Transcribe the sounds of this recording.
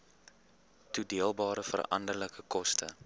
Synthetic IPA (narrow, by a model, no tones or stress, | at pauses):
tudiəlˠbɑːɾəfə̰rɐ̰ndərləkəkɔstə̰